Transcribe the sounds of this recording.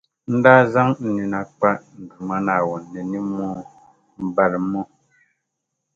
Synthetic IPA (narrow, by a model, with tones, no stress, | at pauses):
n̩˦da˦za˦ŋn̩˦ni˨na˨k͡pa˦ʔn̩˨du˨ma˦na˨wɔ˨nːɛ˨ni˦mːɔ˦ | m̩˦ba˦ɾmːɔ˦